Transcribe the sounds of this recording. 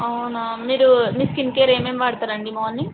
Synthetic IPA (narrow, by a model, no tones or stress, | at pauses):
ɐwnamiːɾumiskinkeːɾeːmeːmʋaːɽt̪aːɾɐɳɖimɐɐnːi